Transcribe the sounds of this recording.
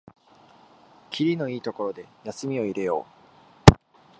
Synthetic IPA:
kʲʰiɾʲino̞iːt̪o̞ko̞ɾo̞d̪e̞jasɨmʲio̞iɾe̞jo̞̰ː

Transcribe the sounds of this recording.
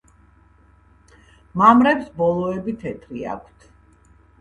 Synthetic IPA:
mamɾɛpsbɔlˠɔɛbit̪ʰɛt̪ʰɾia̰kʷʰt̪ʰ

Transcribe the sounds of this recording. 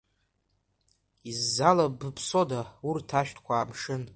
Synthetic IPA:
izːalabɨpʰso̞daurtʰaʃᶣtʰkʷʰaːmʂɨn

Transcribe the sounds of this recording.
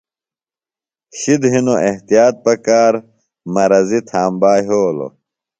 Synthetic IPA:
ɕid̪ɦinoʔeht̪ijaːt̪̚pɐkaːɾ | mɐɾɐzit̪ʰaːmbaːɦoːlo̰

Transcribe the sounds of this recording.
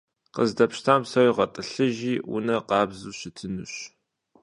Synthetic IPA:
qəzdɐpʃtʰaːmsɐwiʁɐtʼɨɬɨʒiːwʊ̰nɐqɑːbzuːɕɪtʰɨnɨɕ

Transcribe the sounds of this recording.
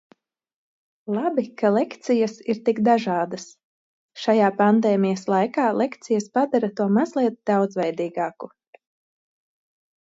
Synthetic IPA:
lˠabikalˠɛkt̪sijɐsiɾt̪ikd̪aʒaːd̪ɐs | ʃajaːpand̪eːmijɐslˠajkaːlˠʔekt̪sijɐspad̪aɾat̪uɔmazlʲˠiɛt̪̚d̪awd̪zvɛjd̪iːɡaːku

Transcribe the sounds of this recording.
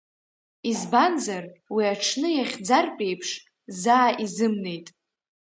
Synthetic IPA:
izbanzarwiaʈ͡ʂʰnɨjaχʲd͡zarpʼe̞jpʰʂ | zaːʔizɨmne̞jtʼ

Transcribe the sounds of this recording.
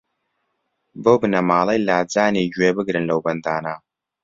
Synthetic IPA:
bobɨnɐmaːlɐjlaːd͡zaːned͡ʒwebɨɡɾɨnlɐwbɐndaːnaː

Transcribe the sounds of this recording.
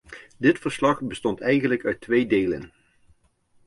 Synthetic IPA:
dɪtfəɹslɑχbəstɔntɛjχənləkœɥtʋejdejlə̰n

